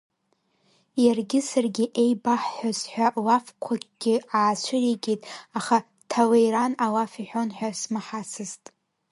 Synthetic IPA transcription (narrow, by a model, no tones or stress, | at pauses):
jarɡʲɪsarɡʲɪʔejbaħːʷazħʷᶣalafkʷʰaɡʲɡʲɪaːt͡ʃʷʰɨriɡʲitʼaχa | tʰawejɾanalafiħᶣonħᶣasmaħasɨztʼ